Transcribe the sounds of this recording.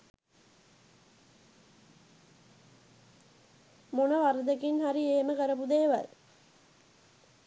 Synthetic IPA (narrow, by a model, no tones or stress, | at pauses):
monɐʋaɾəd̪əkinhaɾieːməkəɾəpud̪eːʋɐ̰ɾ